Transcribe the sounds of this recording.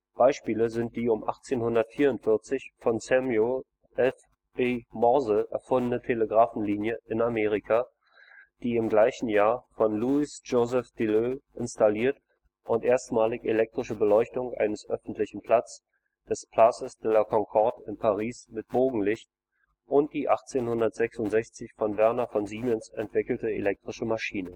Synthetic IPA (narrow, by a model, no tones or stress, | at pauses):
b̥aɪʃpiːləzɪnt̚d̥iːʊmʔaχt͡seːnhʊndɐtfiːɐʊntfɪɐt͡sɪçfɔnsɛmjo | ɛf | bemɔɐzəʔɛ̰ɐfʊndənətʰeləɡʁaːfn̩liːnjəʔɪnameːʁ̞ikʰa | d̥iːɪmɡlaɪçn̩jaːɐfɔnluɪsd͡ʒozɛfd̥iløʔɪnstaliːɐt | ʔʊntʔeːɐstmaːlɪçelɛk̚tʁ̥ɪʃəbəlɔʏçtʊŋʔa̰ɪnəsʔœfn̩tlɪçn̩pʰl̥at͡s | d̥ɛspʰl̥asəsd̥ɛlɐkʰɔŋkʰɔɐtɪnpʰaʁiːsmɪt̚b̥oːɡŋ̩lɪçt | ʔʊnt̚d̥iːʔaχt͡seːnhʊndɐtz̥ɛksʊntz̥ɛçt͡sɪçfɔnvɛɐnafɔnziːmɛnsɛntv̥ɪkl̩təḛlɛk̚tʁ̥ɪʃəmaʃiːnə